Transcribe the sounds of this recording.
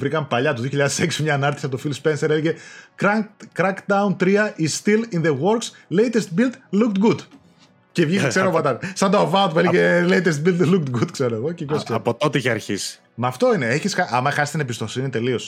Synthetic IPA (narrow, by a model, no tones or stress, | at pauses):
vɾikɐmpɐʎɐt̪oðio̞çiʎɐðeseksimɲɐːnɐɾt̪isiɐpot̪ofilspenseɾe̞leʝekɾɐkɾɐkd̪ɐunt̪ɾiɐʔisst̪ilinðewo̞ɾkslejt̪est̪̚bilt̪lukt̪ɡud̪ | ce̞vʝikse̞ɾomɐt̪ɐsɐnd̪oovɐot̪̚pueleʝeleit̪est̪̚bilt̪lukt̪ɡud̪kseɾoeɣocepjoskseɐpot̪ot̪eiçiɐ̰ɾçḭsi̥ | mɐːft̪o̞ineeçisxɐʔɐmɐxɐst̪inebist̪o̞sinit̪e̞lio̞s